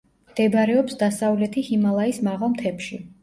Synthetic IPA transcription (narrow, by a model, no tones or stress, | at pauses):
md̪̥ɛbɾɛɔpsd̪asavlɛt̪ʰihimalˠaismaʁalˠmt̪ʰɛpʃi